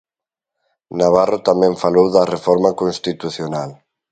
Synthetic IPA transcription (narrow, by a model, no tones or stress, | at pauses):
naβarot̪amɛ̃ɱfalowðarefɔɾmakonst̪it̪uθjonal